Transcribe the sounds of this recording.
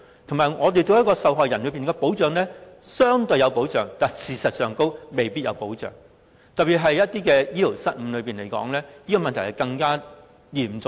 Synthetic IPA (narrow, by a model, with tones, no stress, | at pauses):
t̪ʰŋmaː˨jŋɔː˨˧t̪e˨jt͡so˧wjɐ˥t̚kɔː˧sɐ˨wɦɔː˨jɐ˨˩nlɵ˨˧˥piː˨nkɛː˧po˨˥wt͡sœː˨ŋlɛː˥sœː˥ŋt̪ɵ˧ɥjɐ˧wpo˨˥wt͡sœː˨ŋt̪aː˨˩jsiː˨sɐ˨t̚sœː˨ŋko˥wme˨jpi˥t̚jɐ̰˨˧wpo˨˥wt͡ʃœ̰ː˨˩ŋ | t̪ɐ˨pːiː˨˩ɦɐ˨jjɐ˥t̚t̪iː˥kɛː˧jiː˥lo˨˩wsɐ˥t̚m̩˨˧˥lɵ˨˧ɥpiː˨nle˨˩jkɔ̰ː˨˥ŋlɛː˥ni˥kɔː˧mɐ˨nt̪ʰjhɐ˨jkɐ˧ŋkaː˥ | jiː˨˩m˨t͡sʊ˧ŋ